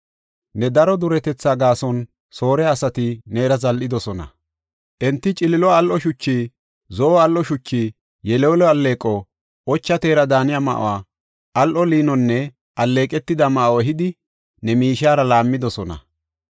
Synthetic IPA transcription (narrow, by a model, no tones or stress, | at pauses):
nɛd̪ɐɾɔd̪ʊɾɛt̪ɛt͡sːaːɡaːsɔn | so̞ːɾɛːsɐt̪ɪne̞ːɾɐzɐlʔɪd̪ɔsɔnɐ̰ | ʔɛnt̪ːɪt͡ʃʼɪlɪlɔɐlʔɔʃʊt͡ʃːiː | zɔɐlʔɔʃʊt͡ʃːiː | jɛleːlɔɐlːe̞ːkʼɔ | ʔɔt͡ʃːɐt̪e̞ːɾɐd̪aːnɪjama̰ʔwaː | ʔɐlʔɔliːnɔnːɛ | ɐlːe̞ːkʼɛt̪ːɪd̪ɐmɐʔwɔɦɪd̪ɪ | nɛmiːʃaːɾɐlaːmːɪd̪ɔsɔnɐ̰